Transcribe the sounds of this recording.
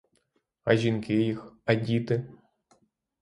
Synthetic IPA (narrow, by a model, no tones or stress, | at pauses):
ɐʒʲinkʲɪjixɐdʲit̪ɨ